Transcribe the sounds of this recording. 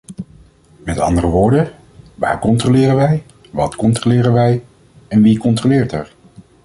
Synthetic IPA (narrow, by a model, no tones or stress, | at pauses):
mɛtɑ̰ndərəʋʊːɹdə | ʋa̰ːɹkɔntrolɪːɾənʋɛj | ʋɑtkɔntrolɪːɾənʋɛj | ɛnʋikɔntrolɪːɹtɛɹ